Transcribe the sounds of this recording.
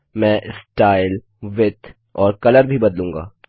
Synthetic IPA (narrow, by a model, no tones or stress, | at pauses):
mɛ̃ːʔsʈaːɪl | ʋɪt̪ | ɔːɾkɐləɾbʱibɐd̪lũːŋɡa̰ː